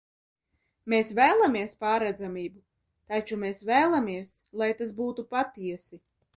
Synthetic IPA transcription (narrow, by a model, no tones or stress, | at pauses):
meːsvæːlˠamiɛspaːɾɛd̪zamʲiːbu | t̪at͡ʃumeːsvæːlˠamiɛs | lˠajt̪as̬buːt̪upat̪iɛsi